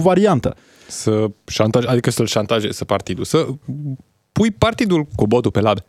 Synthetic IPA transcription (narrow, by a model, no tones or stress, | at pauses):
vaɾiant̪ə̰ | səʃant̪aʒad̪ikəsəlʃant̪aʒḛsəpart̪id̪ulsə | pujpart̪id̪ulkobod̪upelabe